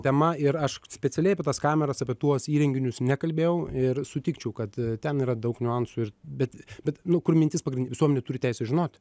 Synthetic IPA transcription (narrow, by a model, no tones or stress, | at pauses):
t̪ʲɛmɐɪɾɐʃsʲpʲɛt͡s̪ʲɛlʲɛɪɐpʲɛt̪ɐskɑːmʲɛɾɐsɐpʲiɛt̪uɔsiːɾʲɛŋʲɡʲɪnʲʊsnʲɛkɐlʲbʲeːjɛʊɪrsʊt̪ʲiːkt͡ʃʲɛʊkɐt̪t̪ʲɛniːɾɐd̪ɐʊknʲʊɑnsuɪrbʲɛt̪bʲɛt̪nʊkʊrmʲɪnʲt̪ʲɪspɐɡɾʲɪnʲdʲʋʲɪsuɔmʲɛnʲɛt̪uːɾʲɪt̪ʲæɪsʲɛʒʲɪnoːt̪ʲ